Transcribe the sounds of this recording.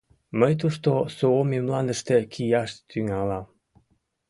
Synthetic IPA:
məjt̪̬uʃt̪osoomemlˠɑnd̪ə̆ʃt̪ekʲʰijɑʃt̪ʰyŋɑlɑm

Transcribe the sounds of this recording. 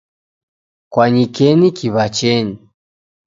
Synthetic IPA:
kwaɲikɛnikiβat͡ʃɛɲi

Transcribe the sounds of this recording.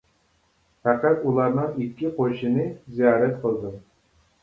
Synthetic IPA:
fæqæt̪ulˠɑɾnɨŋikʲːiqʰoʃɪnɨzijɑːɾɛt̪qʰəlˠd̪ɨ

